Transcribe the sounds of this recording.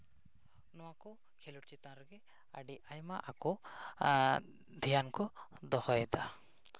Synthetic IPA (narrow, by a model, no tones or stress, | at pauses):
nɔwakɔ | kʰelɔʈt͡ʃit̪ãɾɔɡɛ | aɖiʔajma̰ʔakɔ | d̪ʱijankɔd̪ɔhɔjɛd̪a